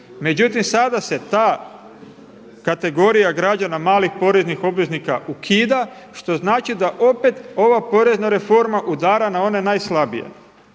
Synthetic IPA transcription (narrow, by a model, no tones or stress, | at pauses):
me̞d͡ʑut̪imsad̪ase̞t̪aː | kat̪e̞ɡo̞ɾijaɡɾad͡ʒanamaːlixpo̞ɾe̞znixo̞bʋe̞znikaukʰiːd̪a | ʃt̪o̞znaːt͡ʃid̪aʔo̞pe̞t̪o̞ʋapo̞ɾe̞znaɾe̞fo̞ɾmaʔud̪aːɾanao̞ne̞naːjslˠabḭjḛ